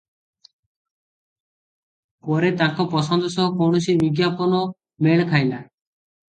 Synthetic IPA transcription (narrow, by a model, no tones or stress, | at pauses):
pɔɾet̪aŋkɔpɔsɔnd̪ɔsɔɦɔkɔwɽ̃ɔsibiɡjapɔnɔ | meɭ̃kʰajla